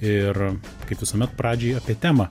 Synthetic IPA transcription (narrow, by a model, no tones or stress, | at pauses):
ɪr | kɐɪpʋʲɪsoːmʲɛt̪pɾɑːd͡ʒʲɛːjɐːpʲiɛt̪ʲæːmɐ